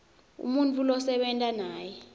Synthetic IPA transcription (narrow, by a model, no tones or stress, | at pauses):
ṵmunt͡fʰʼulɔsɛɓɛntʼanaːjɛ